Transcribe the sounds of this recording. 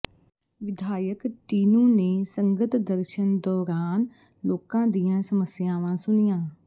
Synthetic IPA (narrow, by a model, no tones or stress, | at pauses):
ʋɪd̪ʱaːjəkʈiːnuːneːsə̃ŋɡət̪d̪əɾʃənd̪ɔːɾaːn | loːkãːd̪ijãːsəməsɪjãːʋãːsʊnijãː